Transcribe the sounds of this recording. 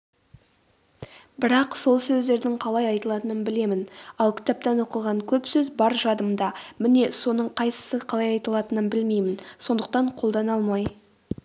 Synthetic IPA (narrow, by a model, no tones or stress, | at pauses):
bɪɾɑqso̞lˠsɵzd̪e̞ɾd̪ɪɴqʰɑlˠɑjɑjt̪əlˠɑt̪ənənbɪle̞mɪnɑlˠkʲʰɪ̥t̪æp̚t̪ænwo̞qəʁɑŋkʲʰɵpsɵzbɑɾʒɑd̪əmd̪ɑmɪne̞so̞nəɴqʰɑjsə̥səqʰɑlˠɑjɑjt̪əlˠɑt̪ənənbɪlmejmɪnso̞nd̪əq̚t̪ɑɴqʰo̞lˠd̪ɑnɑlˠmɑj